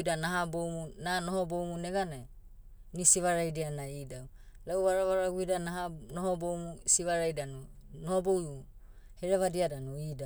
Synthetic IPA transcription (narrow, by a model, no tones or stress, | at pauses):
danaɦabowmunanohobowmuneɡana | nisiβaɾajdianaidaw | lawβaɾaβaɾaɡuidanaɦanohobowmusiβaɾajdanu | nohobowu | heɾeβadiadanuida